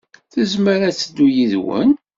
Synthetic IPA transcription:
θəzməɾæt͡sːəd̪ːujiðwə̰n

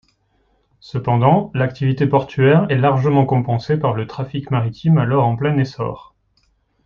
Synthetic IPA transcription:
səpɑ̃d̪ɑ̃lakt̪ivit̪epɔʁt̪ɥɛʁɛlaʁʒəmɑ̃kɔ̃pɑ̃sepaʁlət̪χafikmaʁit̪ʰimalɔʁɑ̃plɛnesɔ̰ːʁ

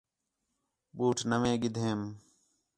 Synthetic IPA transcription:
ɓuːʈʰnəʋẽːɡɪd̪ʱeːm

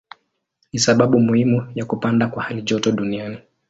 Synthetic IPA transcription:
nisaɓaɓumuhimujakupandakwahaliʄɔtɔɗuniani

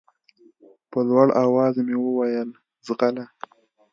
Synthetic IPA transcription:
pəlwaɽawɑzmewəwajəl | zɣala

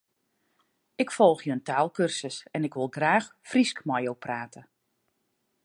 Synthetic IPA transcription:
ɪkfɔlˠxjəəntaːlˠkørsəsɛnɪkʋɪlˠɡraːxfriskmɔjowpraːtə

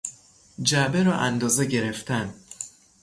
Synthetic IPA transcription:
d͡ʒæbeɾɒːʔænd̪ɒːzeɟe̞ɾeft̪ʰæn

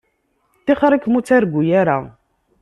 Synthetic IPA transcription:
t̪ːiχɾˤikːmut͡sːæɾɡʷːujaɾa̰

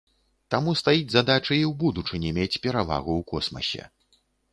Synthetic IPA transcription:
t̪amust̪ajid͡zʲzad̪at͡ʂɨiwbud̪ut͡ʂɨnʲɛmʲet͡sʲpʲɛɾava̰ɣuwkɔ̰smɐ̰sʲɛ̰

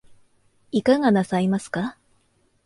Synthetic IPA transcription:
ikaɡanasaimasɨ̥ka

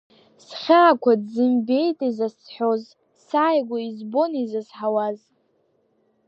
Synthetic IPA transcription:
sχʲaːkʷʰadzɨmbe̞jtʼizasħʷᶣo̞z | saːjɡʷaizbo̞nizazħawaz

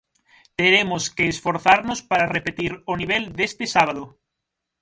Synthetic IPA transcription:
t̪eɾemoskeːsfoɾθaɾnospaɾarepet̪iɾoniβ̞eld̪est̪ɪsaβ̞aðo

